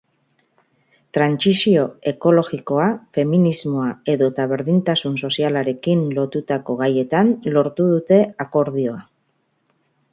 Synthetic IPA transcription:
t̪ɾansisio̞e̞ko̞lo̞ɣiko̞afe̞minizmo̞ae̞ðo̞t̪aβ̞e̞ɾðint̪asunso̞sialaɾe̞kinlo̞t̪ut̪ako̞ɣaje̞t̪anlo̞ɾt̪uðut̪e̞ako̞ɾðio̞a

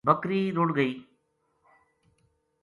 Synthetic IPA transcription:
bɐkɾiːɾoɽɣɐɪ

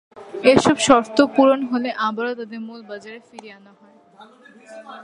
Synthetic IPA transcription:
eʃɔbʃɔɾt̪opuɾonɦoleʔabaɾot̪ad̪eɾmulbad͡ʑaɾefiɾianaɦɔe

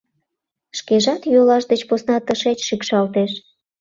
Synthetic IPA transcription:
ʃkeʒɑt̪jolɑʃd̪et͡ɕposnɑt̪əʃet͡ɕʃikʃɑlt̪eʃ

